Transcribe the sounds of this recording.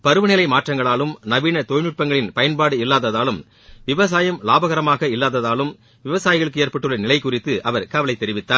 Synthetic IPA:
pɐɾɯʋɐnɪlɐɪmaːʈrɐŋɡɐɭaːlɯmnɐʋiːɳɐt̪oːjnɯʈ̚pɐŋɡɐɭɪnpɐjɐnpaːɽɯɪlːaːðɐðaːlɯm | ʋɪʋɐs̬aːjɐmlaːbɐɣɐɾɐmaːɣɐɪlːaːðɐðaːlɯm | ʋɪʋɐsaːjɪɣɐɭɯkːɯeːɾpɐʈːɯɭːɐnɪlɐɪkʊrɪt̪ːɯʔɐʋɐɾkɐʋɐlɐɪt̪ːɛɾɪʋɪt̪ːaːɾ

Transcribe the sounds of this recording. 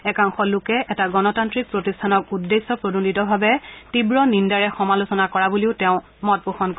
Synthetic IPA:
ɛkaŋxɔlʊkɛɛtaɡɔnɔtantɹik̚pɹotistʰanɔk̚udːesːɔpɹodunditɔbʱabɛtibɹɔnindaɹɛxɔmalusɔnakɔɹabuliʊtɛʊ̃ | mɔt̚puxɔnk

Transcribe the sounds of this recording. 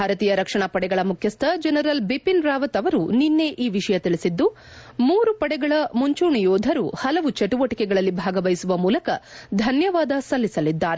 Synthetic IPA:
bbʱaːɾɐt̪iːjɐɾɐkʂɐɳɐpɐɽɛɡɐɭɐmukʰjɐst̪ʰɐd͡ʒɛnɐɾɐlbipinɾaːʋɐt̪ɐʋɐɾuninːe̞ʔiːʋiʂɐjɐt̪iɭisid̪ːu | muːɾupɐɽɛɡɐɭɐmuɲt͡ʃuːɳijɔːd̪ʱɐɾuhɐlɐʋut͡ʃɐʈuʋɐʈikɛɡɐɭɐlːibʱaːɡɐʋɐjsuʋɐmuːlɐkɐd̪ʱɐnjɐʋaːd̪ɐsɐlːisɐlid̪ːaːɾe

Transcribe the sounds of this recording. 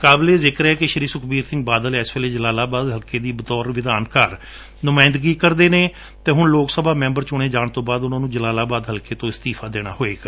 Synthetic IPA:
kaːbleːzɪkɾɛːkɪʃəɾiːsʊkʰbiːɾsɪ̃ŋɡ̚baːd̪əlɛːsʋeːleːd͡ʒəlaːlaːbaːd̪ɦəlkeːd̪iːbət̪ɔːɾʋɪd̪aːnkaːɾ | nʊmaːɪ̃nd̪əɡiːkəɾd̪eːneː | t̪ẽːɦʊnloːksəbaːmɛ̃ːmbəɾt͡ʃʊɳ̃eːd͡ʒaːɳt̪õːbaːd̪ʊnãːnũːd͡ʒəlaːlaːbaːd̪ɦəlkeːt̪õːɪst̪iːpʰaːd̪eːɽ̃a̰ːɦoːeːkː

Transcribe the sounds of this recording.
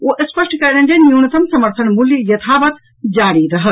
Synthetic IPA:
oːʔəspəʂʈʰkɐɾnɐnd͡ʒenuːnɐt̪ɐmsɐməɾt̪ʰɐnmuljəjɐt̪ʰaːʋɐt̪ | d͡ʒaːɽiɾɐɦə

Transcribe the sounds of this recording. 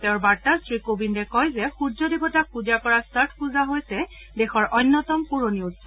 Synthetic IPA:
tɛʊɹbaɹtastɹikobindɛkɔjzɛxudzɔdibɔtak̚puzakɔɹastaɹtʰpuzaɦojsɛ | dɛxɔɹʔɔnːɔtɔmkuɹoniutsɔ

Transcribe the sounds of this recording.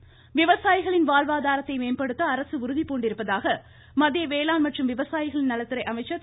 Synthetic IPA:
ʋɪʋɐsaːjɪɣɐɭɪnʋaːlʋaːðaːɾɐt̪ːɐɪmeːnpɐɽɯt̪ːɐɐɾɐsɯʊɾʊðipoːɳɖɪɾɯpːɐðaːɣɐ | mɐðɪjɐʋeːlaːnmɐʈrɯmʋɪʋɐsaːjɪɣɐɭɪnnɐlɐt̪ːɪɾɐɪʔɐmɐɪt͡ʃːɐ

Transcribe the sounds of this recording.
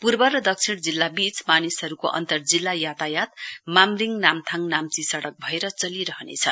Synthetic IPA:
purbʌrʌd̪ʌk̚t͡sʰiɽ̃d͡zilːabit͡smanisɦʌɾukoʔʌ̰nt̪ʌrd͡zilːajat̪ajat̪mamriŋnamt̪ʰaŋnamt͡sisʌɽʌk̚bʱʌeɾʌt͡sʌliɾʌɦʌnḛt͡sʰʌ

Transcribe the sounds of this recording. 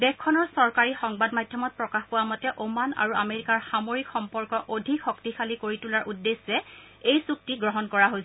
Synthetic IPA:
bɛkʰːɔnɔɹsɔɹkaɹixɔŋbadmajdʱjɔmɔt̚pɹɔkaxkʊwamɔtɛʔomana̰ɹua̰meɹikaɹxamoɹikxɔmpɔɹkɔʔodʱikxɔktixʰalikoɹitulaɹʔudːesːɛ | ejsuk̚tiɡɹɔɦɔnkɔɹaɦojsɛ

